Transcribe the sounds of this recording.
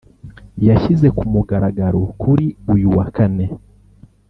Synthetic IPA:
jaʃize̞kumuɡaɾaɡaɾokʰuɾiujuwakane̞

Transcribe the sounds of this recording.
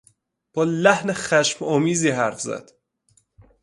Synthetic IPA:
b̥ɒːlæhnexæʃmɒːmiːziːɦæɾfzæ̰d̪̥

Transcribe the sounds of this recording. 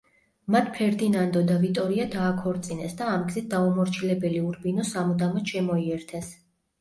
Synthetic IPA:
mat̪ʰpʰɛɾd̪inand̪ɔd̪avit̪ʼɔɾiad̪aːkʰɔɾt̪sʼinɛsd̪aːmɡzɛt̪̚d̪aumɔɾt͡ʃʰilɛbɛliuɾbinɔsamud̪amɔt̪ʃɛmɔiɛɾt̪ʰɛs

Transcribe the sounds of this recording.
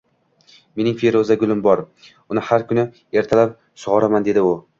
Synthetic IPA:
me̞nɪŋfeɾozaɡʊlˠɪmbɒɾ | ʊnɪhaɾkʰʊnɪ | e̞ɾt̪ʰalap̚ | sʊʁɒɾamand̪e̞d̪ɪʊ

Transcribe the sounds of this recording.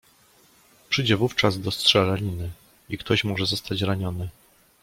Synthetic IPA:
pʂɘjd͡ʑɛvuft͡ʂazd̪ɔstʂɛlalʲinɘ | ikt̪ɔɕmɔʐɛzɔst̪at͡ɕɾaɲɔnɘ

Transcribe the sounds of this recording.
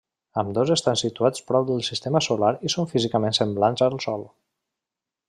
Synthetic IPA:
əmd̪ɔzəst̪ansit̪uat͡spɾɔwd̪əlˠsist̪eməsulaɾisoɱfizikəmensəmblanzəlˠsɔlˠ

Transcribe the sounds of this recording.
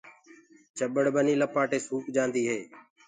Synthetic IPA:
t͡ʃəɓəɽbəniːləpaːʈeːsuːkd͡ʒãːnd̪iːɦeː

